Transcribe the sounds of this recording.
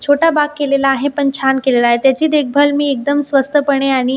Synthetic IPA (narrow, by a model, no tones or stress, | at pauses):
t͡ɕʰoʈabaɡ̚kelelaːɦepəɳt͡ɕʰankelelaːɦet̪jat͡ɕiːd̪ek̚ʰbʱəlmiːek̚d̪əmsʋəst̪ʰəpəɽ̃eaɽ̃i